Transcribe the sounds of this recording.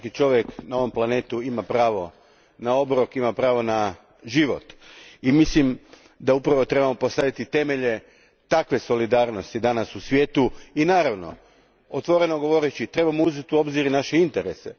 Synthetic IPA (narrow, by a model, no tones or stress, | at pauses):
kit͡ʃo̞ʋjeknao̞ʋo̞mplˠane̞ːt̪uimapɾaːʋo̞ | nao̞bɾokimapɾaːʋo̞na | ʒiʋo̞̰t̪imislim | d̪aupɾaʋo̞t̪ɾe̞bamo̞po̞st̪ad̪it̪it̪e̞me̞ʎe̞ | t̪akʋe̞so̞lid̪aːɾno̞st̪id̪anasusʋjeːt̪uinaːɾaʋno̞̰ | ot̪ʋo̞ɾe̞no̞ɡo̞ʋo̞ɾet͡ɕit̪ɾe̞bamouzet̪uo̞bziɾinaʃe̞int̪eɾese